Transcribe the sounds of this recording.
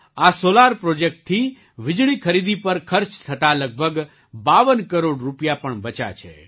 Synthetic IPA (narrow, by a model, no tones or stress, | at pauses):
asolaɾpɾod͡ʒek̚ʈ̚t̪ʰːi | ʋɪd͡ʒɭikʰəɾid̪ipəɾkʰəɾt͡ʃt̪ʰət̪aləɡ̚bʱəɡ | baʋənkəɾoɽɾupjapəɳbət͡ʃa̰t͡ʃʰḛ